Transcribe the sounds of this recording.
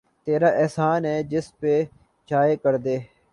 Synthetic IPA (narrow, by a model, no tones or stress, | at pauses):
t̪eːɾaːʔɛːsaːnɦɛːd͡ʒɪspeː | t͡ʃaːeːkəɾd̪eː